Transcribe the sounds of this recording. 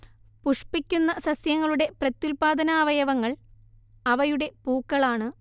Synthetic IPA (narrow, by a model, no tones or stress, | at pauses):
puʂpikʲːunːɐsɐsjɐŋːɐɭuɽe̞prɐt̪julpaːd̪ɐnaːʋɐjɐʋɐŋːɐɭ | ɐʋɐjuɽe̞puːkːɐɭaːɳɨ